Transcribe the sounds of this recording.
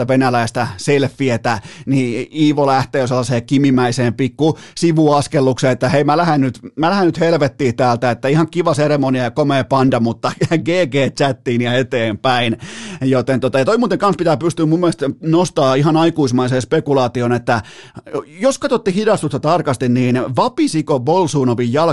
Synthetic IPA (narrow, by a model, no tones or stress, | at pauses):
æʋenælæist̪æselfːiet̪æniiːʋolæht̪eːoselːɑseːkimimæiseːmpikːusiʋuɑskelːukseːet̪ːæheimælæhennyt̪mælæhennyt̪helʋet̪ːiːt̪æːlt̪æet̪ːæihɑŋkiʋɑseremoniɑjɑkomeːpɑndɑmut̪ːɑɡeːɡeːt̪t͡ʃæt̪ːiːniɑet̪eːmpæinjot̪ent̪ot̪ɑjɑt̪oimuːt̪eŋkɑnspit̪æːpyst̪yːmumːelst̪nost̪ɑːiɦɑnɑikuismɑiseːspekulɑːt̪ionet̪ːæ | joskɑt̪ot̪ːihidɑst̪ust̪ɑt̪ɑrkɑst̪inniːnʋɑpisikobolsuːnoʋijjɑl